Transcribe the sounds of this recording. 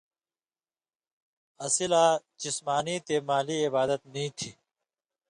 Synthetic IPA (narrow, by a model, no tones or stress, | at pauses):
ɐsilaːd͡ʑismaːniːt̪emaːliɪbaːd̪ət̪̚nĩːt̪ʰiː